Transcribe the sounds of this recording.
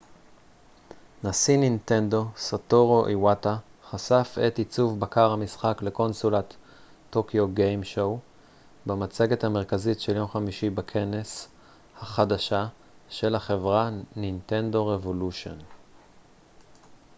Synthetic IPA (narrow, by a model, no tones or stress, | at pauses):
nasininte̞ndo̞sotoʁo̞ʔiwataχasafet̪it͡suvbakaʁhamisχakle̞ko̞nsulat̪ː | o̞kjoɡejmʃow | bemat͡seɡe̞thame̞ʁ̞kazitʃeljo̞mχamiʃibakʰe̞nes | haχadaʃa | ʃe̞laχe̞vʁaninte̞nd̪o̞ʁevo̞luʃo̰n